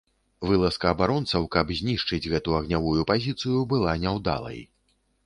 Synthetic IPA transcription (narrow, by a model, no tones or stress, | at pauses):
vɨlˠɐskɐːbaɾɔnt̪sɐwkɐbzʲnʲiʂt͡ʂɨd͡zʲɣɛt̪uɐɣnʲavujupazʲit̪sɨjubɨlˠanʲɛwd̪a̰lˠɐ̰j